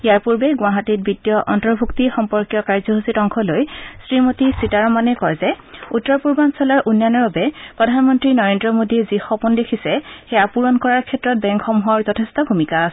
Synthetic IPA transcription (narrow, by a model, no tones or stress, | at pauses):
ijaɹpuɹbɛɡʊwaɦatit̚bidjɔʔɔntɔɹbʱuktixɔmpɔɹkijɔkaɹzɔɦusitɔŋkʰɔlojsɹimotisitaɹɔmanɛkɔɹzɛutːɔɹpuɹbansɔlaɹʔunːanɔɹbabɛpɹɔdʱanmɔntɹinɔɹendɹɔmodiɛzixɔpundekʰisɛxejapuɹɔnkɔɹaɹkʰɛtɹɔt̚bɛŋkʰɔmɦɔɹzɔtʰestʰɔbʱumikasɛ